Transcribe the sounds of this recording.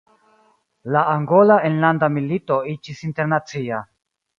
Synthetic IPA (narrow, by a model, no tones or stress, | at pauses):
laːŋɡo̞laenlandamilito̞it͡ʃisinte̞ɾnat͡sia